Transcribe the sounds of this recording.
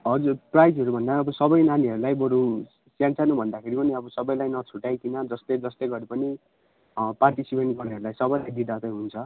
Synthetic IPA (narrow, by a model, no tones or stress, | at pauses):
ɦʌd͡zurprajd͡zɦʌɾubʱʌnd̪aʌbʌsʌbʌjnaniʌɾulajbʌɾu | sjãnt͡sanubʱʌnd̪akʰeɾipʌniʌbʌsʌbʌjlajnʌt͡sʰuʈajkinʌd͡zʌst̪ed͡zʌst̪ejɡʌɾipʌni | parʈisipeɳʈɡʌɽaɦʌɾulajsʌbʌjlajd̪id̪ʱat̪ʌjɦunt͡sʰʌ